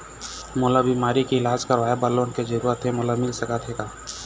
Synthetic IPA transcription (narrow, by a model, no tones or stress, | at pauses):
moːlabʱimaːɾikiɪlaːd͡ʒkəɾʋaːebəɾloːnked͡ʒɐɾuːɾət̪ʰɦemoːlamɪlsɐkat̪ʰeːɡaː